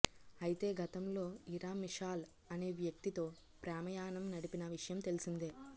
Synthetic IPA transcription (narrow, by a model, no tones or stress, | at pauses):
ɐjit̪e̞ːɡʱɐt̪ɐmlo̞ːiɾaːmiʂaːl | ɐne̞ːʋjɐk̚t̪it̪o̞ː | pɾaːmɐjaːnɐmnɐɽipinɐʋiʂɐjɐmt̪e̞lisind̪eː